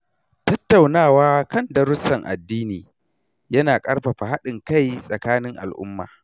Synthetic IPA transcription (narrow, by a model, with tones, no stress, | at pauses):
tɐ˦tːa˨wnaː˦˨waː˦kɐ˦˨ndɐ˨ɾʊ˦sɐ˨ŋʔa̰˨dːiː˦niː˨ | jɐ˦naː˨kʼɐ˦ɾɸa˨ɸa˨ha˦ɗɪ˨ŋka˦˨jsʼɐ˨kaː˦nɪ˦ŋʔa̰˨lʔʊ̰˦mːa̰ː˨